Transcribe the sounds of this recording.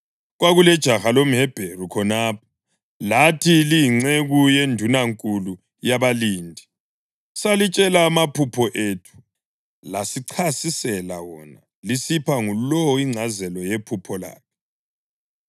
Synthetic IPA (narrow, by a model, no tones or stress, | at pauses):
ɣwaɣulɛd̥ʒ̥ʱaxalom̩ɦɛb̥ʱerukʰɔnaːp̚ʰɔ̥ | latʰiliiŋ͡ǀeɣujendʱunaŋkʼulu | jaβaliːndʱi | salit͡ʃʼɛlaːmapʰupʰɔʔetʰu̥ | lasiǀʰasisɛla̰wɔ̰na | lisipʰaŋulɔwɔiŋ͡ǀʱazɛlɔjepʰupʰɔla̰ːk̚ʰɛ